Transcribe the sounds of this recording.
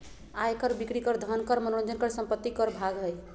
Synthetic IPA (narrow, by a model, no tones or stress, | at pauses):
ajkəɾbikɾikəɾd̪ʱənkəɾmənoɾnd͡ʒənkəɾsəmpət̪ːikəɾbʱaɡɦəj